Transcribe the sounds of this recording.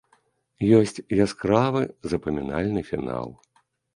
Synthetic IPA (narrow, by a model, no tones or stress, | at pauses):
jɔsʲt͡sʲjaskɾavɨzɐpɐmʲina̰lʲnɨfʲina̰lˠ